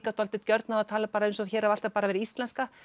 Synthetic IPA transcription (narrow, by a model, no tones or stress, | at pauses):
kat̪ɔlt̪ɪt̪cœɾt̪naat̪ʰaːlapaːɾaejnsɔaðçɛːɾaval̥t̪apaːɾavɛːɾɪist̪lɛnska